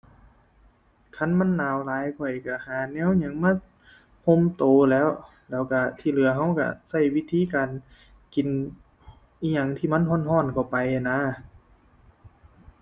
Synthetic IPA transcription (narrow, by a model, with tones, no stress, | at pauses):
kʰa˧˥˨nma˧˥˨nːaː˨˧˨wlaː˨˦jkʰɔ˧˩jka˧˩haː˨˩nɛː˧˥˨wɲa˧˥˨ŋmaː˧˥˨ | ho˧˥˨mt̪oː˨lɛː˧˥˨w | lɛː˧˩wka˧˩t̪ʰiː˧˩˨lɯ˨˦ɐɦa˧˥˩wka̰˧˩sa˧˩jwi˧˨t̪ʰiː˧˥˨kaː˨n | ki˨n | ʔiː˧˨ɲa˧ŋt̪ʰiː˧˩ma˧˥˨nɦɔː˧˥˨nɦɔː˧˥˨nkʰa˧˩wpa˨ja˧˨naː˧˥˨